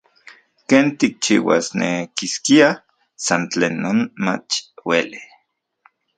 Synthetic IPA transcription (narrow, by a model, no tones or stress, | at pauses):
keːnt̪ik̚t͡ʃḭːwa̰snekiskia | sant͡ɬeːnːoːnma̰t͡ʃweli